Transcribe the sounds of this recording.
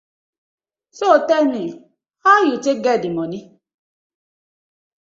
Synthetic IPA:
sotɛni | hajut͡ʃeɡɛdimɔni

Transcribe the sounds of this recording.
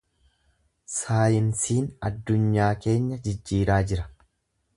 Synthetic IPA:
saːjɪnsiːnɐd̪ːʊɲːaːke̞ːɲːɐd͡ʒɪd͡ʒːiːɾaːd͡ʒɪɾɐ̥

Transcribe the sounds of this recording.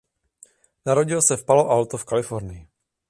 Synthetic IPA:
naɾoɟɪlsɛfpaloʔawt̪ofkalɪfo̞ɾnɪjɪ

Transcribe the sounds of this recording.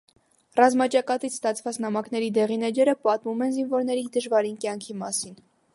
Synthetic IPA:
rɑzmɑt͡ʃɑkɑt̪it͡sʰst̪ɑt͡sʰvɑt͡snɑmɑknɛɾid̪ɛʁinɛd͡ʒɛɾəpɑt̪mumɛnzinvɔɾnɛɾid̪əʒvɑɾinkjɑŋkʰimɑsin

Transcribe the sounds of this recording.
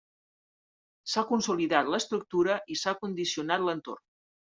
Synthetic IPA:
sakunsuliðat̪ləst̪ɾuk̚t̪uɾəʔisakund̪isiunat̪lənt̪o̰rn

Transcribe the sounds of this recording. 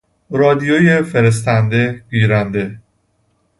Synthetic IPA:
ɾɒːd̪ijojefe̞ɾes̬t̪ænd̪e̞ɡiːɾænd̪e̞

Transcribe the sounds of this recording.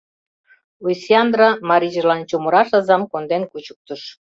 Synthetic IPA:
lusʲiɑnd̪ɾɑmɑɾʲiʒəlɑnt͡ɕuməɾɑʃɑzɑmkond̪enkut͡ɕu̥k̚t̪əʃ

